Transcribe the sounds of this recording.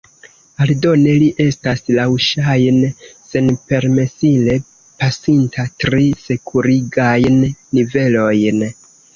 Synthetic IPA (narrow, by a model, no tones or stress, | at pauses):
aldo̞ne̞liʔe̞staslawʃajnse̞npe̞ɾme̞sile̞ | pasintʰatɾise̞kʰuɾiɡajnːive̞lo̞jn